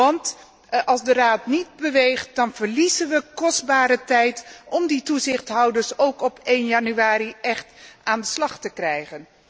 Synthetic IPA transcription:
ɑnt | ɑlˠzdəraːtnid̚bəʋejχt̚dɑnvəɹlizənʋəkɔsdbaːɾətɛjtɔmdituzɪχtɦɑwdəɹsowkɔpejnjɑnyaːɾiʔɛχtʔaːndəslɑχtəkrɛjχən

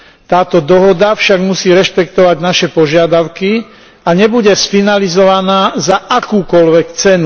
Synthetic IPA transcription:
t̪aːt̪ɔd̪ɔɦɔd̪afʃaɡmusiːɾɛʃpɛkt̪ɔʋaɟnaʃɛpɔʒɪad̪aʊki | aɲɛbuɟɛsfinalizɔʋanaːzaʔakuːkɔlʋɛkt͡sɛnu

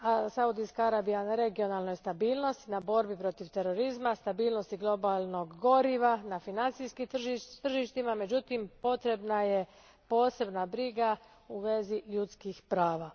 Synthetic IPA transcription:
asaud̪ijskaaɾaːbijanaɾe̞ɡio̞nalˠnojst̪abiːlˠno̞st̪nabo̞ɾbipɾo̞t̪iʋt̪e̞ɾo̞ɾizmast̪abiːlˠno̞st̪iɡlo̞balˠno̞ɡɡo̞ɾiʋanafinant̪sijskit̪r̩ʒit̪r̩ʒiʃt̪imame̞d͡ʒut̪impo̞t̪ɾe̞bnaje̞ | po̞ːse̞bnabɾiɡa | uʋe̞ziʎut̪skixpɾaːʋa

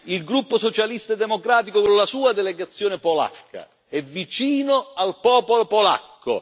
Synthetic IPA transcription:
ilɡɾupːosot͡ʃalist̪aɛd̪ːemokɾaːt̪ikokolasuːad̪ɛleɡat̪sːjoːnepola̰kːa̰ | ɛvːit͡ʃiːnʊalpɔːpolopola̰kːo̰

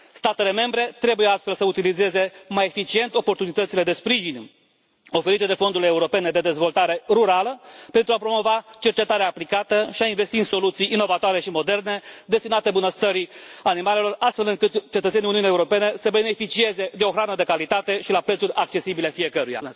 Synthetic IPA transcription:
st̪at̪e̞le̞me̞mbɾe̞t̪ɾe̞bujeast̪fe̞lsəut̪ilize̞ze̞maje̞fit͡ʃie̞nt̪o̞po̞rt̪unit̪ət̪sile̞d̪e̞spɾiʒin | o̞fe̞ɾit̪e̞d̪e̞fo̞nd̪uɾileuɾo̞pe̞ned̪e̞d̪e̞zvo̞lt̪aɾe̞ruɾaləpe̞nt̪ɾuapɾo̞mo̞vat͡ʃe̞rt͡ʃe̞t̪aɾeaːplikat̪əʃiainve̞st̪inso̞lut̪sijːno̞vat̪oaɾe̞ʃimo̞d̪e̞rne̞d̪e̞st̪inat̪e̞bunəst̪əɾianimale̞lo̞rast̪fe̞lɨŋkɨt̪t͡ʃet̪ət̪seiuniunieuɾo̞pe̞ne̞səbe̞ne̞fit͡ʃie̞ze̞d̪eo̞xɾanəd̪e̞kalit̪at̪e̞ʃilapɾet̪suɾʲak̚t͡ʃe̞sibile̞fije̞kəɾuja̰

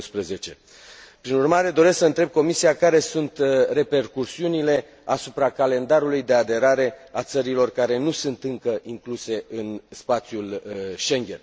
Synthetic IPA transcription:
spɾeze̞t͡ʃe̞ | pɾinurmaɾe̞d̪o̞ɾesksəɨnt̪ɾe̞b̚ko̞misiakaɾe̞sunt̪re̞pe̞rkusiunile̞ | asupɾakale̞nd̪aɾulujd̪e̞ad̪e̞ɾaɾe̞at̪səɾilo̞rkaɾe̞nusunt̪ɨŋkəʔiŋkluse̞ɨnspat̪sjulʃe̞ŋɡʲe̞̰n

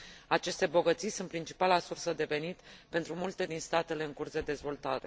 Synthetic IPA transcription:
at͡ʃe̞st̪e̞bo̞ɡət̪sijsunt̪pɾint͡ʃi̥palasursəd̪e̞ve̞nit̪pe̞nt̪ɾumult̪e̞d̪inst̪at̪e̞le̞ɨŋkursd̪e̞d̪e̞zvo̞lt̪aɾe̞̰

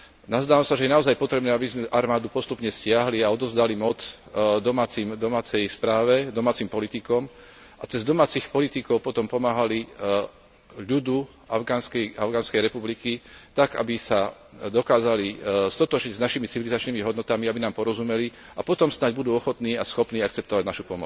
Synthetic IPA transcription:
nazd̪aːʋamsaʒɛjɛnaɔzajpɔt̪ɾɛbnɛːabizmɛʔaɾmaːd̪upɔst̪upɲɛscɪaɦliaɔd̪ɔzd̪alimɔt͡s | d̪ɔmaːt͡simd̪ɔmaːt͡sɛjspɾaːʋɛd̪ɔmaːt͡simpɔlit̪ikɔm | ʔat͡sɛzd̪ɔmaːt͡sixpɔlit̪ikɔʊpɔt̪ɔmpɔmaːɦali | ʎud̪u | aɡaːnskɛʔaʊɡaːnskɛjɾɛpublikit̪aɡa̰bisa | d̪ɔkaːzalist̪ɔt̪ɔʒɲiɟznaʃimit͡siʋilizat͡ʃnimiɦɔd̪nɔt̪amiabinaːmpɔɾɔzumɛli | apɔt̪ɔmsnaɟbud̪uːɔxɔt̪niːasxɔpniːak̚t͡sɛp̚t̪ɔʋaɟnaʃupɔmɔt͡s

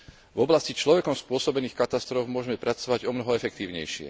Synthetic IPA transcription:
vɔblascit͡ʃlɔʋɛkɔmspʊɔsɔbɛniːxkat̪ast̪ɾɔvmʊɔʒɛmɛpɾʔat͡sɔʋaɟɔmnɔɦɔɛfɛkt̪iːʊɲɛ̰jʃɪɛ̰

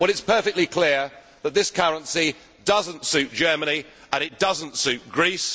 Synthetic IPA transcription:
b̥ʌɾɪtspʰɜˑfɛɪk̚tˡlikʰl̥ɪə | ðət̪̚ðɪskʰʌɹə̃nsi | dʌzə̃ntsʉˑt̚d̥ʒ̥ɜːməni | ə̃ɾ̃ɪt̚d̥ʌzə̃ntsʉˑt̚ɡ̥ɹiˑs

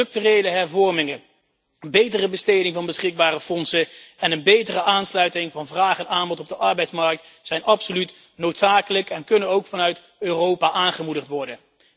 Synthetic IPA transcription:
trɵk̚tyrejləɦɛɹvɔɹmɪŋə | bejtərəbəstejdɪŋvɑnbəsχɪɡ̚baːrəfɔnsəɛnənbejtərəʔaːnslœɥtɪŋvɑnvraːχənaːmbɔtɔb̚dəʔɑɹbɛjtsmɑɹk̚t | sɛjnʔɑpsolyt | nowtsaːkələkɛnkɵnənowkfɑnœɥt | øːrowpaːʔaːnχəmudəχtʋɔɹdən

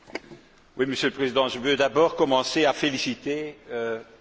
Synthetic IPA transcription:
wiməsjøləpχezid̪ɑ̃ʒəvød̪abɔːʁkɔmɑ̃seafelisit̪eø

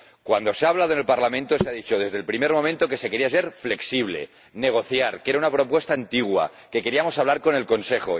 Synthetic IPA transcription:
kwand̪o̞seaːβlaðoenelpaɾlamẽnt̪oseaðit͡ʃo̞ð̞e̞zðelpɾime̞ɾmomẽ̞nt̪o̞ke̞se̞ke̞ɾiase̞ɾfle̞ksiβ̞le̞̰ | ne̞ɣ̞o̞θjaɾkee̞ɾaunapɾo̞pwe̞st̪aːnt̪iɣ̞wa̰ | ke̞ke̞ɾiamo̞saβlaɾko̞ne̞lko̞nse̞xo̞̰

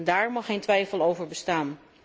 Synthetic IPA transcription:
ndaːɹmɑχejntʋɛjfəlˠowvəɹbəstaːn

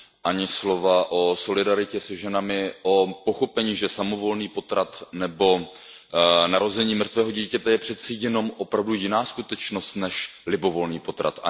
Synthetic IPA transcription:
ʔaɲɪslo̞vaʔo̞so̞lɪdaɾɪcɛsɛʒɛnamɪʔo̞po̞xo̞pɛɲiːʒɛsamo̞vo̞lniːpo̞t̪ɾat̪nɛbo̞ | naɾo̞zɛɲiːmr̩t̪vɛːɦo̞ɟiːcɛt̪ɛjɛpr̥ɛt͡sɛjɛno̞mʔo̞pɾavdujɪnaːskut̪ɛt͡ʃno̞st̪nɛʃlɪbo̞vo̞lniːpo̞t̪ɾa̰t̪a̰

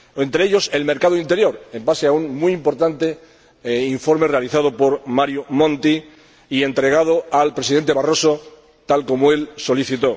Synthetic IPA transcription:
e̞nt̪ɾeeʎo̞se̞lme̞ɾkaðoint̪e̞ɾjo̞ɾe̞mbaseauŋmujimpo̞ɾt̪ant̪e̞ | iɱfo̞ɾme̞re̞aliθað̞opo̞ɾmaɾjumõ̞nt̪i | ie̞nt̪ɾe̞ɣ̞að̞o̞alpɾe̞siðe̞nt̪earo̞so̞ | t̪alko̞moe̞lso̞liθit̪o̞

